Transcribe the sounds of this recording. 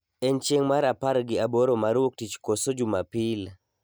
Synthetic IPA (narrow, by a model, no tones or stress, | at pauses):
ɛnt͡ʃeŋmaɾapaɾɡɪaboɾomaɾwok̚tit͡ʃkosod͡ʒumapil